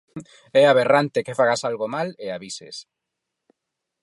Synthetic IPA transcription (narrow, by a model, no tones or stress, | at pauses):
ɛaβerant̪ekefaɣasalɣomaleaβisḛs